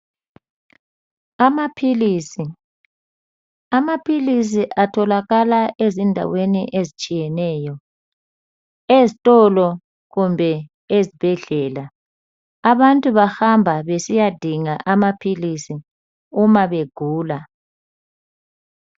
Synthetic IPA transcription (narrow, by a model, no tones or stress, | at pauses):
amapʰilisi | amapʰilis̬iʔatʰɔlaɣalaʔezindʱa̰weniʔezit͡ʃʼijɛnɛːjɔ | ezitʼɔlɔ | ɣumbʱɛ | ezib̥ʱɛɮɛːla | aβantʼuβaxambʱaβesijad̥ʱiŋaʔamapʰilisi | umaβeɡ̥ʱuːla